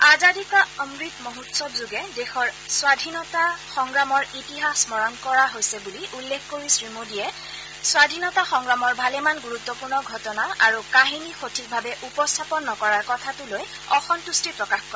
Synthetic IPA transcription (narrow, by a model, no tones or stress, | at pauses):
azadikɔəmɹitmoɦutsɔpzuɡɛdɛxɔɹswadʱinɔtaxɔŋɹamɔɹitiɦasmɔɹɔnkɔɹaɦojsɛbuliʔulːexkoɹisɹimodijɛ | swadʱinɔtaxɔŋɡɹamɔɹbʱalɛmanɡuɹut̪ːɔpuɹnɔɡʱɔtɔnaʔaɹukaɦinixotʰik̚bʱabɛʔupɔstʰapɔnːɔkɔɹaɹkɔtʰatʊloj | ɔxɔntustipɹɔkaxkɔɹɛ